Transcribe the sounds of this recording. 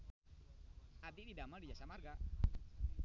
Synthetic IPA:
ad̪ididamaldid͡ʒasamarɡa

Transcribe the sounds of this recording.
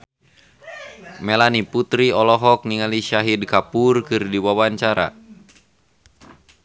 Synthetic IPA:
melaniput̪ɾiɔlɔɦɔk̚niŋaliʃaɦidkapurkɨrdiwawaɲt͡ʃaɾa̰

